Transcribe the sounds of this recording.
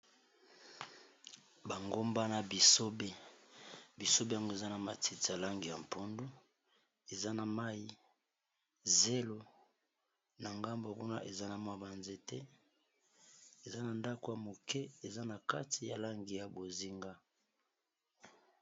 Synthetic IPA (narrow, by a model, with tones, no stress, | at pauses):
ba˨ŋɡo˦mba˦na˨bi˨so˦be˦ | bi˨so˦be˦ja˨ŋɡo˦e˨za˦na˨ma˨ti˦ti˨a˨la˦ŋɡi˨ja˨m˨pʰo˦ndu˦ | e˨za˦na˨ma˦i˦ | ze˦lo˦ | na˨ŋɡa˦mbo˨ku˦na˦ʔe˨za˦na˨mwa˨ba˨nze˦tɛ˦ | e˨za˦na˨nda˦ko˨ja˨mo˨kɛ˦e˨za˦na˨ka˦tʰi˨ja˨la˦ŋɡi˨ja˨bo˨zi˦ŋɡa˦